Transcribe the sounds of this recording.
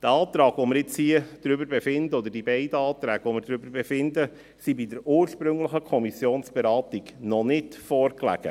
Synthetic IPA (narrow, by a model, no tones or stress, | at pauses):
d̪̥æɑːt̪ɾɑːɡ̥vɔmɪɾɪt͡shiəd̥ɾʏbəɾbɛfɪnd̪əɔd̪əɾdibɛɪd̪əɑːt̪ɾæːɡ̥əʋɔmɪɾdɾʏbəɾbefɪndə | sibidəɾuːɾʃpɾʏŋləχəkʰɔmisjoːnsb̥eɾɑːt̪iɡnɔnɪtfɔːrklæ̰ɡ̥ə̰